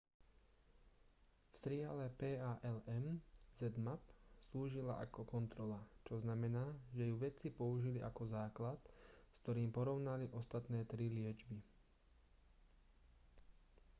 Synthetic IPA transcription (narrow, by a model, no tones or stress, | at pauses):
ft̪ɾɪalɛpɛːaːʔɛlɛmzɛd̪mapsluːʒila̰ʔa̰kɔkɔnt̪ɾɔlat͡ʃɔznamɛnaːʒɛjuʋɛt͡sipɔuʒiliʔakɔzaːklat̪skt̪ɔɾiːmpɔɾɔʊnaliʔɔst̪at̪nɛːt̪ɾilɪɛd͡ʒbi